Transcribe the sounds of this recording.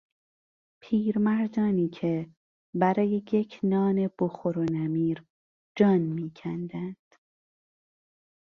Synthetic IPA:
pʰiːɾmæɾd̪ɒːniːcʰe | bæɾɒːjejecʰnɒːne̞b̥oxoɾonæmiːɾ | d͡ʒɒːnmiːcʰænd̪ænd̪̥

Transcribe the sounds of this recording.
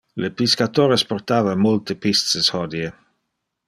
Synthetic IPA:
lepiskat̪oːɾesport̪aːvamolt̪epist̪seshɔd̪je

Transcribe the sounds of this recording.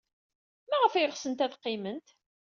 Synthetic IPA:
mæʁəfæjəʁsənt̪æðqːɪmənt̪

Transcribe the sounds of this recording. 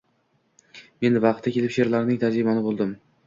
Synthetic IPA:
me̞nvɑq̚t̪ːakʲʰe̞lɪpʃe̞ɾlaɾnɪŋt̪ʰad͡ʒɾɪmɒnɪbolˠd̪ɪm

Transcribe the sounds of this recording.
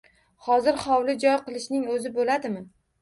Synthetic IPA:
hɒzɪɾχɒwlɪd͡ʒɒjqɨlˠɪʃnɪŋɵzɪbolad̪ɪmɪ

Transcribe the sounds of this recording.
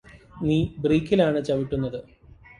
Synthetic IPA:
niːbriːkʲːilaːɳɨt͡ɕɐʋiʈːunːɐðɨ

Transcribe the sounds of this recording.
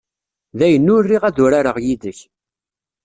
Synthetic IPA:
ðæjənːʊɾːiʁæðʊɾaɾəʁjiðəç

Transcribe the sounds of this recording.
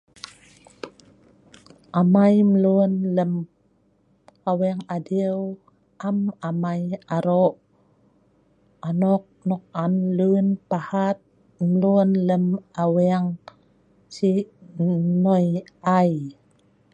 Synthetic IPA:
ʔamajməlunləm | kaweŋadiw | ʔamamajaɾoʔ | anɔk̚nɔk̚amlunpahat̪̚ | mlunləmaweaŋ | si | nojaj

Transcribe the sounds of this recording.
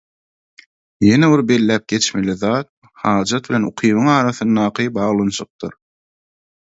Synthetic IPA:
je̞neβiɾbe̞lːæːp̚ɡ̥e̞t͡ʃme̞liðɑːt̪̚ | hɑːd͡ʒɑt̪̚βilʲe̞nṵqʰiːβɯŋɑːɾɑθɯnd̪ɑːqʰɨbɑːʁlˠɑnʃɯq̚d̪ɯɾ

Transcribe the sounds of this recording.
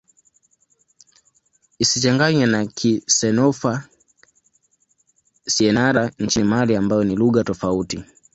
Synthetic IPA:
isit͡ʃaŋɡaɲɛnakʰisɛnɔfa | siɛnaɾaɲ̩t͡ʃinimaliambajɔniluɣatɔfauti

